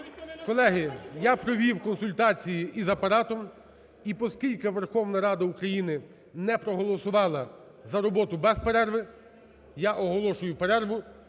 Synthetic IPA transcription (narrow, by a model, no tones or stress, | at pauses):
kɔlˠɛɦɪjapɾɔʋʲiwkɔnsʊlʲt̪ɑt͡sʲijiʔizɐpɐɾɑt̪ɔm | ipɔskʲilʲkɪʋerxɔwnɐɾɑd̪ɐukɾɐjinɪ | nɛpɾɔɦɔlˠɔsʊʋɑlˠɐ | zɐɾɔbɔt̪ʊbɛspeɾɛrʋɪ | jaʔɔɦɔlˠɔʃʊjʊpeɾɛrʋʊ